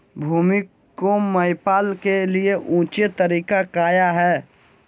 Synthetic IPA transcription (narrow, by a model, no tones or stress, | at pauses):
bʱuːmikː | oməɪpaːlkelieʔũːt͡ʃet̪əɾiːkakaːjaɦɛː